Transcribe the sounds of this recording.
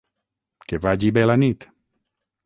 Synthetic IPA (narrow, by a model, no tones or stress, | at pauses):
kevad͡ʒibɛlanit̪